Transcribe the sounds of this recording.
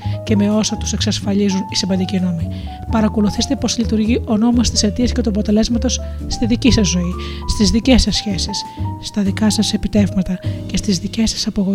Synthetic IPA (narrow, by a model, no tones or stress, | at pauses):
ce̞me̞o̞sɐt̪u̥se̞ksɐsfɐʎizunisimvɐnd̪icino̞mi | pɐɾɐko̞luθist̪e̞po̞slit̪uɾʝiʔo̞no̞most̪i̥se̞t̪iɐscet̪uɐpo̞t̪e̞le̞zmɐt̪o̞sːt̪iðicisɐzːo̞ist̪izðice̞sɐsçe̞sisːt̪ɐðikɐsɐse̞pit̪e̞vmɐt̪ɐce̞st̪izðice̞sɐ̥sɐpoɣo